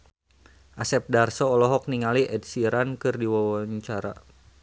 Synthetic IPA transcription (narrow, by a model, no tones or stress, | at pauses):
ʔasɛp̚darsɔːlɔɦɔk̚niŋaliʔɛdsiɾankɨrdiwawaɲt͡ʃaɾa̰